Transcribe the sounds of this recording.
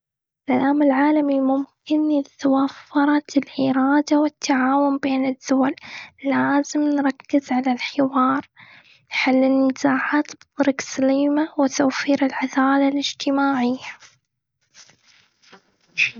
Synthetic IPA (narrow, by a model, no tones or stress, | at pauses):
ɪsʔalaːmɪlʕaːlamimʊmkɪnt̪awafːɑɾˤɑt̪lʔɪɾˤɑːd̪awɪt̪ʰːaʕaːwʊmbeːnɪðːʊwallaːzɪmnɾˤɑkːɪzʕalalħɪwɑːɾˤ | ħalːɪnːɪzaːʕaːt̪bɨt̪ˤʊɾɪɡsaliːmawɪt̪awfiːɾɪlʕad̪aːlalɪd͡ʒt̪ɪmaːʕɪjːa